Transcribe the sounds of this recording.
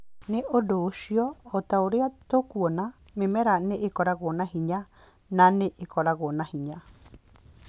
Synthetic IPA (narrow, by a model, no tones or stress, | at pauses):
neʔodoʃiɔːtaoɾeat̪okuɔna | memɛɾaneʔekɔɾaɣonaɦiɲa | naneʔekɔɾaɣonahiɲa